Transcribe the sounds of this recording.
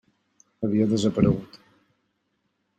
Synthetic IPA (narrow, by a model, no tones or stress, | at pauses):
əβ̞iəðəzəpəɾəɣut̪